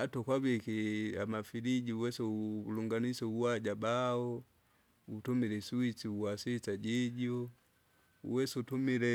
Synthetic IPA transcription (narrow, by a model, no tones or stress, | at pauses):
atɔkwabikiamafiliɟiuwɛsɛluŋɡanisɛuwaɟabaɔ | utumilɛsuit͡siuwasit͡saɟiɟɔ | ṵwɛsutumilɛ